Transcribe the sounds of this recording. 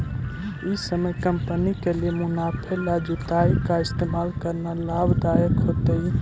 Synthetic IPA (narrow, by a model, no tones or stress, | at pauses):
isəməjkəmpənikeliemunapʰelad͡ʒut̪aikaɪst̪emalkəɾnalabd̪ajəkɦot̪ə